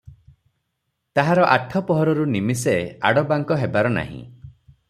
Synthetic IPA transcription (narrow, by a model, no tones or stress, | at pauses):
t̪aɦaɾɔʔaʈʰɔpɔɦɔɾɔɾunimisea̰ɽɔbaŋkɔɦebaɾɔna̰ɦḭ̃